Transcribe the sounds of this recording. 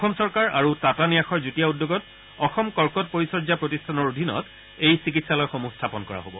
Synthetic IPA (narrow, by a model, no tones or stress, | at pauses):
ɔxɔmsɔɹkaɹa̰ɹutatanijaxɔɹzutijaudːoɡɔt | ɔxɔmkɔɹkɔt̚poɹisɔɹzapɹotistʰanɔɹodʱinɔ̰t | ejsik̬itsalɔjxomustʰapɔnkɔɹa̰ɦobɔ̰